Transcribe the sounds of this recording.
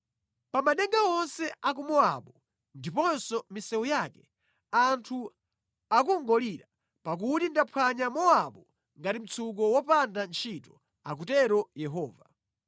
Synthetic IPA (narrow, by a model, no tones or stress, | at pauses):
pamanɛŋɡaɔnsɛak̬umɔa̰ɓɔ | ndipɔnsɔmisɛujaːkɛ | antʰu | akuŋɡɔliɾa | pak̬utindapʰwaɲamɔaɓɔ | ŋɡatim̩t͡sʰuk̬ɔwɔpandant͡ʃʰitɔ | ak̬utɛɾɔjɛɦɔːva